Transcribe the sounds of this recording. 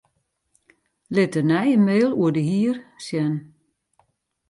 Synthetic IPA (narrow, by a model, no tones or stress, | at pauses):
lɪtənɛjənmeːlˠuədəhiərsjɛn